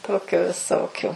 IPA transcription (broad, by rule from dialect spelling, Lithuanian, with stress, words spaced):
ˈtoːkʲʊ ʋʲɪˈsoːkʲʊ